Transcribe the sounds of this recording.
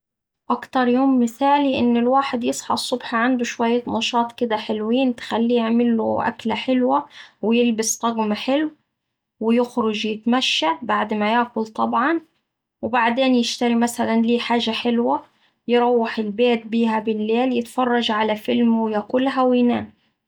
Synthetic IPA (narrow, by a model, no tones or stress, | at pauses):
ʔakt̪ɑɾˤjoːmːɪθaːliʔɪnːɪlwaːħɪd̪jɪsˤħɑ̰sˤːʊbħaʕand̪ʊʃwajːat̪nɑʃɑːt̪ˤkɪd̪aħɪlwiːnt̪xalːiːjɪʕmɪlːʊ̰ʔa̰klaħɪlwawɪjɪlbɪst̪ˤɑɡmaħɪlw | wɪjɪxɾʊd͡ʒjɪt̪maʃːabaʕd̪majaʕkʊlt̪ˤɑbʕɑn | wɪbaʕd̪eːnjɪʃt̪aɾimasalanliːħaːʒːaħɪlwa | jɪɾˤɑwːɪħɪlbeːt̪̚biːhabɪlːeːljɪt̪fɑrˤːɑʒʕalafɪlmwɪjakʊlːɦawinaːn